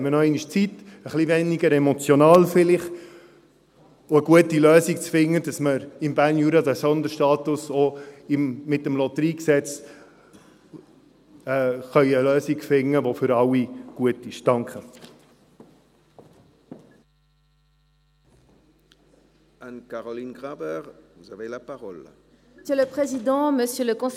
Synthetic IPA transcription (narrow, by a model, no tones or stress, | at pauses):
mənɔɛɪniʃt͡sit̪əχlivɛniɡəɾɛmɔt͡sjɔnɑːlfɪlɪχ | ʊəɡuətiløːsikt͡sfɪŋːədɑsməɾɪmbæːrnjuːɾɑdæsɔnd̪əɾʃtɑːtʊsɔɪmːɪtəmlɔt̪əɾiːksɛt͡s | χœʏəløːsikfɪŋːəvofʏɾɑwiɡ̥uətɪʃd̥ɑ̃ŋkχə | ankaʁɔlinɡʁabɛʁvuzavelapaʁɔl | øləpχezid̪ɑ̃məsjøləkɔ̃